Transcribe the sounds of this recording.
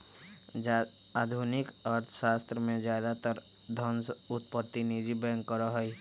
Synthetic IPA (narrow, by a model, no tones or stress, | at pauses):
d͡ʒ | aːd̪ʱunɪkəɾt̪ʰə̥ʃaːst̪ɾəmẽzjaːd̪at̪əɾ | d̪ʱə̃nsʊt̪̚pət̪ːinid͡ʒibɛŋkːəɾɔɦɔi